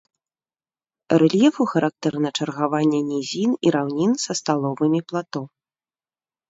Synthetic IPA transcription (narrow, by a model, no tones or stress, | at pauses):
ɾɛlʲjɛfuxɐɾʔak̚t̪ɛɾnɐt͡ʂɐrɣavanʲːɛnʲizʲiniɾawnʲinsɐst̪alˠɔvɨmʲiplˠat̪ɔ